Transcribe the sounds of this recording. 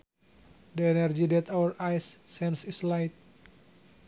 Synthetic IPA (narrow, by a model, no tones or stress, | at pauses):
dəɛnɛrd͡ʒidɛt̪awəɾʔajsːɛnsislajt̪̚